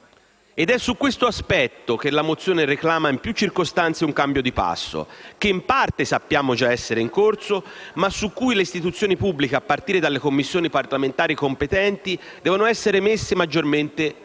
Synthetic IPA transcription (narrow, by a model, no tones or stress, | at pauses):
ed̪ɛsːukːwest̪oaspɛt̪ːok̟elːamot̪sːjoːnereklaːmaimpjut͡ʃːirkost̪ant̪seuŋkambjod̪ipa̰sːo̰k̟eimpart̪esapːjaːmod͡ʒaɛsːeɾeiŋkort̪somasukːujleist̪it̪ut̪sjoːnipubːlikeapːart̪iːɾed̪alːekomːisːjoːniparlament̪aːɾikompet̪ɛnt̪i | d̪ɛːvonoɛsːeɾemesːemad͡ʒːorment̪e